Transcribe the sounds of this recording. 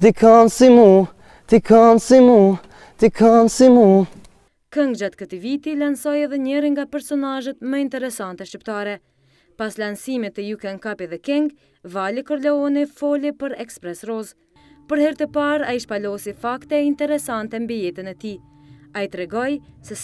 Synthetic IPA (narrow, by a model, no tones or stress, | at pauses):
d̪ikʰansimu | t̪ikʰansimu | t̪ikʰansimu | kəŋɡd͡ʒat̪kət̪ivit̪ilansɔjɛðɛɲɛɾiŋɡapɛɾsɔnaʒət̪məint̪ɛɾɛsant̪ɛʃcip̚t̪aɾɛ | paslansimit̪əjukɛnkapiðɛkɛŋɡ | valikəɾlɔɔnifɔlipəɾɛkspɾɛsrɔz | pəɾhɛɾt̪əpaɾaiʃpalɔsifakt̪ɛint̪ɛɾɛsant̪ɛmbijɛt̪ənɛt̪i | ait̪ɾɛɡɔjsɛ